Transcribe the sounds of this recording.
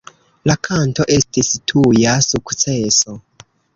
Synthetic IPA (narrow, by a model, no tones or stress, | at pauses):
lakʰanto̞ʔe̞stistʰujasukt͡seso